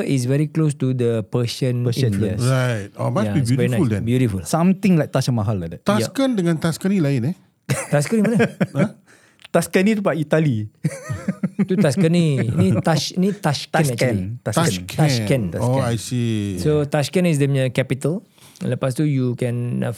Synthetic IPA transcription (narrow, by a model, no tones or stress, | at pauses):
is̬vɛɹiklos̬tud̪əpəsə̃ninfluə̃ɹajt̚o̰majsabijuvɛɹinadɛ̃bjuɾifulsãmt̪ɪ̃ŋlajk̚t̪asənmaɦalːadɛt̪ajaskəndəŋãnt̪askənilaɪne | t̪askənimanə | t̪askənit̪upaʔit̪ali | t̪ut̪askənĩnĩt̪aʃnĩt̪asknkɛnt̪akt̪askɛ̃noajsisot̪askɛ̃nis̬dəməkɛpit̪əl | ləpast̪ujukɛ̃n